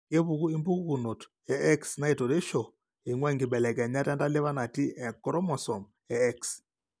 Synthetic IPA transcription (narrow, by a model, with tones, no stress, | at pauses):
ke˦βu˨ɣu˦i˦mbu˦ɣɣu˨no˨t | ɛ˨ɛ˦ksna˦i˨to˨ɾe˦ʃo˨ | e˨ŋwɛ˦˨ŋɡi˨ɓɛ˨lɛ˨kɛ˨ɲa˦tɛ˦nda˦le˦βa˦na˨ti˦ɛ˨kɔ˦ɾɔ˦mɔ˨sɔ˨m | ɛ˨ɛ˦ks